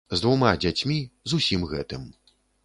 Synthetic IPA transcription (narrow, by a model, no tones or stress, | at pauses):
zd̪vumad͡zʲat͡sʲmʲizusʲimɣɛt̪ɨm